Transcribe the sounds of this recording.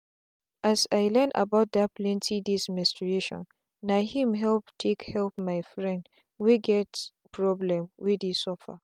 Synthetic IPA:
ʔasaɪlɛ̃nda̰baʊt̚daplɛ̃ntʰidismɛ̃nstɹieʃɔ̰̃n | nahĩmɦɛlptʰekhɛlpmaɪfɹɛ̃nd | wiɡɛt | pʰɹɔblɛ̃mwidisɔfa̰

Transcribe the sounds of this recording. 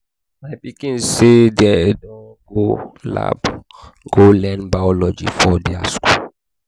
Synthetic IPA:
majbikĩnsedɛdɔ̃ | ɡola̰b | ɡ̥olɛ̃nbajɔlɔd͡ʒḭfɔdiasku

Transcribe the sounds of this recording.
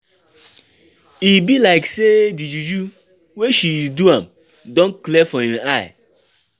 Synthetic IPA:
ibilaɪksedid͡ʒud͡ʒu | weʃiduãm | dɔ̃nklɛfɔĩnaɪ

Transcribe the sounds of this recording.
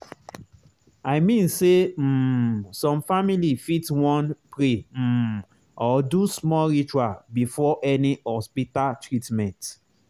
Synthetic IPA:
aɪmĩnsem̩sɔ̃mfamilifitwɔ̃npɹem̩ | ɔdusmɔlɹit͡ʃuabifɔʔɛnihɔspitaltɹitmɛ̃nt

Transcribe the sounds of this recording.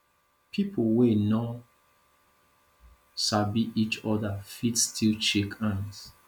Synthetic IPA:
pʰipʰowenɔ | sabiʔit͡ʃɔdafitstʰilt͡ʃekʰãns

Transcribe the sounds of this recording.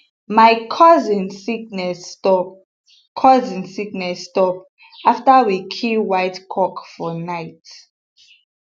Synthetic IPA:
majkʰɔzĩnsik̚nɛsɔ | kʰɔzĩnsiknɛsːtɔp | aftawikʰiwajtkʰɔkfɔnaɪt

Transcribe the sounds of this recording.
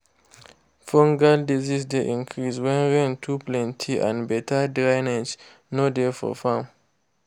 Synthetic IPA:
fɔ̃ŋɡaldizisdeʔĩnkʰɹiswɛ̃nɹẽntʰuplɛ̃ntʰiʔã̰nbɛtʰadɹaɪned͡ʒ | nodefɔ̰fãm

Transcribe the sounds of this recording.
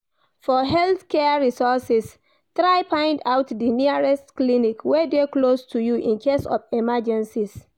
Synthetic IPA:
fɔɦɛlθkʰɛɹisɔsis | tɹaɪpãɪ̃ndaʊtdiniɹɛstklinikwedeklostʰujuʔĩnkʰesɔ̰fɛmad͡ʒɛ̃nsis

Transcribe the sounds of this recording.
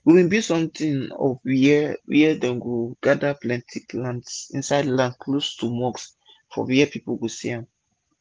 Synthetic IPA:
wiwĩnbisɔ̃mtĩŋɔ̰vwiwɛɛdɛ̃nɡoɡ̥adaplɛ̃ntʰipʰlãntsḭ̃nsaɪdlãndkʰlostumɔks | fɔ̰wɛɛpipoɡosiãm

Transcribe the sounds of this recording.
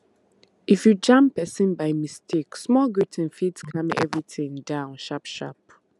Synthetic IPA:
ʔifjud͡ʒãmpɛsɪ̃nbaɪmistʰiksmɔlɡɹitʰɛ̃nfidskʰʌ̃mɛ̰vɹiθɪ̃ŋdãʊ̃nʃapʃa̰p

